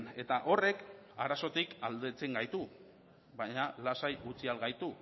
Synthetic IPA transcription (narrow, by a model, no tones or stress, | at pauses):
e̞t̪aʔo̞re̞kaɾaso̞t̪ikald̪e̞t͡se̞ŋɡajt̪u | βaɲalasajut͡sialɣajt̪u